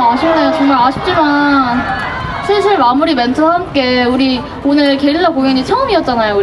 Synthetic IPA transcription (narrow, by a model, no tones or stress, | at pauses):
aɕʰimnejot͡ɕʌŋmaɭaɕʰi̥p̚t͡ɕ͈iman | sʰeɕʰiɭmamuɾime̞ntʰoɦamk͈e̞uɾi | onɯɭkeɾinːakoŋjʌɲit͡ɕʰʌɯmiʌt̚t͡ɕ͈anajo